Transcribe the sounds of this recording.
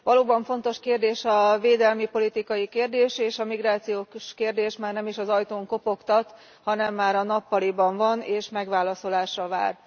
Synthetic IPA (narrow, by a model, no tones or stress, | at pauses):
ʋɒloːbɒɱfo̞nt̪o̞ʃkeːrd̪eːʃɒveːd̪ɛlmipo̞lit̪ikɒjikeːrd̪eːʃeːʃɒmiɡraːt̪sijoːʃkeːrd̪eːʃmaːrnɛmiʃɒzɒjt̪oːŋko̞po̞kt̪ɒt̪ | hɒnɛmːaːɾɒnɒpːɒlibɒɱvɒneːʃmɛɡʋaːlɒso̞laːʃːɒva̰ːr